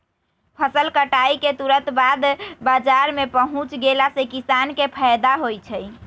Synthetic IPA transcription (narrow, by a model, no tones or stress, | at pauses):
pʰəsəlkəʈaiket̪uɾət̪bad̪bad͡ʒaɾmepəɦũt͡ʃɡelasekisankepʰajd̪aɦojt͡ʃʰəj